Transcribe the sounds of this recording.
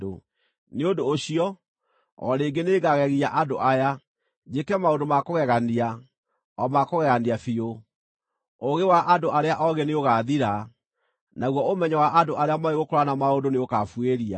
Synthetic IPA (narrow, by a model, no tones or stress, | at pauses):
o | neondoːɕiɔ | ɔ̰ɾeːɡeneːɣaɣɛɣiaʔandoʔaja | d͡ʒekɛmaondomakoɣɛɣania | ɔmakoɣɛɣandiafio | oɣewaʔandoaɾeaʔɔɣeneoɣaðiɾa | naɣwɔomɛɲawaʔadoʔaɾeamaeɣokɔɾanamaondoneokafweɾia̰